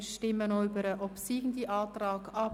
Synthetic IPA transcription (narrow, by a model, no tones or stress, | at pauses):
ʃtɪmːənɔybəɾəʔɔpsiːɡ̥n̩diʔɑːtrɑːkɑp